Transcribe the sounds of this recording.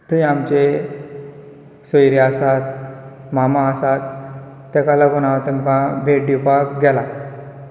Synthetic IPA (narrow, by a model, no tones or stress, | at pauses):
t̪uĩamt͡ɕe | sɔjɾeasat̪̚ | mamãːsat̪ː | ɛkalaɡɔñat̪emkãbʱeʈ̚ɖ̪ipakɡɛla